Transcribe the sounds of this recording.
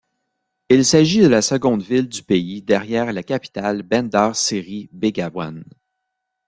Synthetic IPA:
ilsaʒid̪əlasəɡɔ̃d̪vɪld̪ypeid̪ɛʁjɛːʁlakʲapi̥t̪albɛ̃nd̪ɑːʁsɪʁibeɡawa̰n

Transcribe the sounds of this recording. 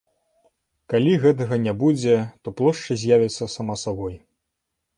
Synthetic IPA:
kalʲiɣɛt̪̬ɐɣɐnʲɛbud͡zʲɛt̪ɔplˠɔʂt͡ʂɨzʲjavʲɐt̪sːɐsamasabɔj

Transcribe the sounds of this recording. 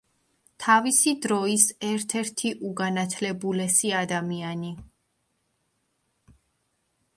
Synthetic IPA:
t̪ʰavisid̪ɾɔisɛɾt̪ʰɛɾt̪ʰiʔuɡanat̪ʰlɛbulɛsiad̪amiani

